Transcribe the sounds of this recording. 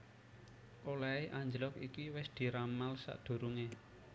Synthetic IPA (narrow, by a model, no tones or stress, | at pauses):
ʔolaeʔaɲd͡ʒlɔkikiwɪsd̪̥i̤ɾamalsa̰ʔd̪̥o̤ɾuŋe